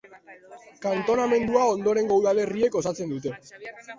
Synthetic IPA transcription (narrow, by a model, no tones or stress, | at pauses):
kant̪o̞name̞nd̪uao̞nd̪o̞ɾe̞ŋɡowðale̞rie̞ko̞sat͡se̞nd̪ut̪e̞